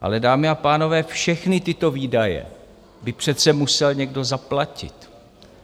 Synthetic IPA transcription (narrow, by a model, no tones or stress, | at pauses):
ʔa̰lɛdaːmɪapaːno̞vɛːfʃɛxnɪt̪ɪt̪o̞viːdajɛ̰ | bɪpr̝̥ɛt̪t͡sɛmusɛlɲɛɡdo̞zaplacɪ̰t̪